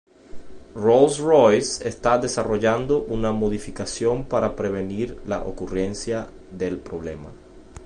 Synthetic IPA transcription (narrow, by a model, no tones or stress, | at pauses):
rolsrojsest̪aðesaroʝand̪oʔunamoðifikasjompaɾapɾeβ̞eniɾla̰ʔokurensja | ðelpɾoβ̞lema̰